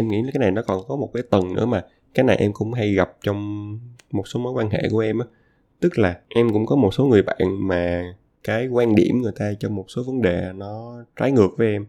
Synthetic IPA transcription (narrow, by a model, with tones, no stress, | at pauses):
ʔɛ˧mŋḭ˧˥˨kaː˨˦jna˨˩jnɔ˨˦kɔ˨˩nkɔ˨˦mo˨˩t̚kaː˨˦jt̪ə˨˩nnɨ̰˧˥əmaː˨˩ | kaː˨˦jna˨˩jʔɛ˧mkʊ̰˧˥ŋ͡mɦa˧jɣa˨˩p̚t͡ɕɔ˧wŋ͡mmo˨˩t̚so˨˦məː˨˦jkwaː˧nɦḛ˧˨ku˧˩əʔɛ˧mʔaː˨˦ | t̪ɨ˦˥k̚laː˨˩ʔɛ˧mkʊ̰˧˥ŋ͡mkɔ˨˦mo˨˩t̚so˨˦ŋɨ˨˩əjɓa̰ː˧˨nmaː˨˩ | kaː˨˦jkwaː˧nɗḭ˧˩əmŋɨ˨˩əjt̪aː˧t͡ɕɔ˧wŋ͡mmːo˨˩t̚so˨˦və˨˦nɗe˨˩nɔ˨˦t͡ɕaː˨˦jŋɨ˨˩ək̚vəː˨˦jʔɛ˧m